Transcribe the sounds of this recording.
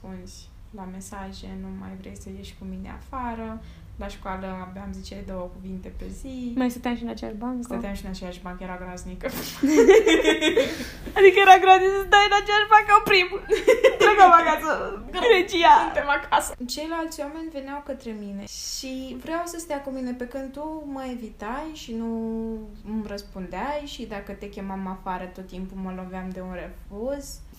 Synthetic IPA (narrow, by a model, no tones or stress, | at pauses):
spunsʲ | lame̞saʒe̞numa̰jvɾḛjsəjeʃʲkuminḛa̰faɾə | laʃkwaləabeamzit͡ʃeled̪o̞wəkuvint̪e̞pḛzimajst̪ət̪jamʃinat͡ʃea̰baŋkst̪ət̪amʃinat͡ʃejaʃbaŋkəjeɾaɡɾaznikəf | ad̪ikəjeɾaɡɾazisd̪aɨnat͡ʃejaʃbaŋkəwpɾimt̪ɾeɡamakasəɾet͡ʃijasɨnt̪emakʰasət͡ʃe̞jlalt̪sʲwame̞nʲve̞neawkət̪ɾe̞mine̞ʃivɾeawsəst̪ajakumine̞pe̞kɨnd̪̚t̪uməevit̪ajʃinu | mrəspund̪eajʃid̪akət̪e̞kʲe̞mamafaɾət̪o̞t̪ːimpuməlo̞veamd̪e̞unɾrepoz